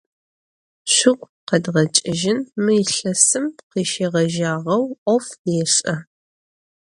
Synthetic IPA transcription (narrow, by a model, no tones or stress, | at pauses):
ɕʷʊqʷ | qɐdʁɐt͡ʃʼɪʒɪnmɨjɪɬɐsɨmqiːʃeːʁɐʒaːʁɐwʔʷɔfeːɕʼɐ